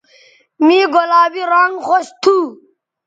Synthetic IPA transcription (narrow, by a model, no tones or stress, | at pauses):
miːɡolaːbiɾaŋɡxoɕt̪ʰuː